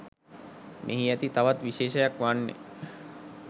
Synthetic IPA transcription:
mʔḛɦiæt̪it̪aʋat̪ʋiʃeːʃəjakʋanːḛ

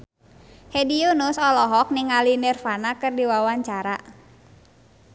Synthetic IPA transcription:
hɛdiunusɔlɔɦɔk̚nɪŋalinɛrfanakɨrdiwawaɲt͡ʃaɾa

